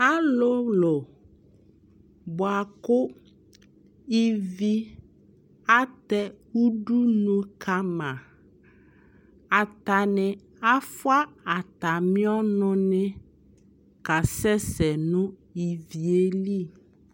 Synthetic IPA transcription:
a˦lo˦lo˨ | bɔ˨a˨kʊ˦ | i˦vi˦ | a˦t̪ɛ˦wu˦ɖu˦nũ˦kʰa˦mã˨ | a˨t̪a˨nɛ̃˨ | a˦fwa˦a˨t̪a˨mĩ˦ɔ˦nɔ̃˦nɛ̃˦ | ka˨sɛ˦sɛ˨nũ˦i˨vi˨e˦li˦˨

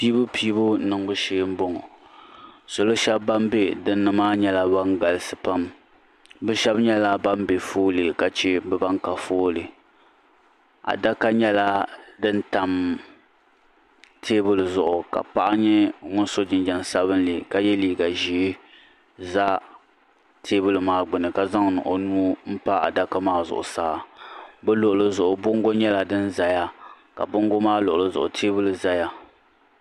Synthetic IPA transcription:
piː˦bʊ˦pʰiː˦bʊ˦nɨ˨ŋ˦bʊ˦ʃeː˦m̩˦bo˦ŋɔ˨ | so˨lo˦ʃɛ˦bːa˦mbe˦dɨ˦nːɨ˦maː˦ɲɛ˦la˦ba˦ŋɡa˨lɨ˦sɨ˨pa˦m | bɛ˦ʃɛ˦bɲɛ˦la˦ba˦mbe˨foː˦lɨ˨ka˨t͡ʃɛ˦bɛ˦ba˦ŋka˨foː˦lɨ˨ | a̰˨da˦ka˦ɲɛ˦la˦dɨ˦n˦ta˨m | tʰeː˦bʊ˦lɨ˨zʊ˨ʔʊ˨ka̰˨pa˦ʔa˦ɲɛ˦ŋʊ˦n˦so˦d͡ʒɪ˨nd͡ʒa˨n˨sa˦βɨ˦n˦li˨ka˨jɛ˦liː˨ɡa˨ʒi˦ | za˦ | tʰeː˦bɨ˦lɨ˨maː˨ɡ͡bɨ˨nɨ˨ka˨za˦ŋnʊ̰˨ʔo˨nuː˦m̩˦pa˦a̰˨da˦ka˦maː˦zʊ̰˨ʔʊ̰˨saː˦˨bɛ˦lʊ˨ʔʊ˨lɨ˦zʊ˨ʔʊ˨bʊ˦ŋ˦ɡo˦ɲɛ˦la˨dɨ˦nza˨ja˦ | ka̰˨bʊ˦ŋ˦ɡo˦maː˦lʊ˨ʔʊ˨lɨ˦zʊ̰˨ʔʊ̰˨tʰeː˦bɨ˦lɨ˨za˦ja˦

